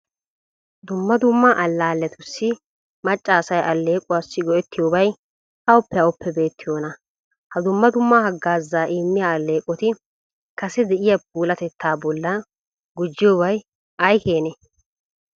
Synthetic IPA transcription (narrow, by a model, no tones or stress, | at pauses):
d̪ʊmːɐd̪ʊmːaʔɐlːaːlːɛt̪ʊsːɪ | mɐt͡ʃʼːaːsɐjʔɐlːe̞ːkʼʊwaːsːɪɡɔʔɛt̪ːɪjoːbɐj | ɐʊpːɛɐʊpːɛbe̞ːt̪ːɪjoːnɐ | hɐd̪ʊmːɐd̪ʊmːahɐɡːaːzːaːʔiːmːɪjaɐlːe̞ːkʼɔt̪ɪ | kɐsɛd̪ɛʔɪjɐp̚uːlɐt̪ɛt̪ʰːaːbɔlːɐ | ɡʊd͡ʒːɪjɔbɐj | ɐjke̞ːnɛ